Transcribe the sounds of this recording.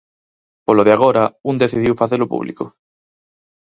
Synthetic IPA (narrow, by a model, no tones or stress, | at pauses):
poloðeaɣoɾaund̪eθiðiwfaθelopṵβlḭko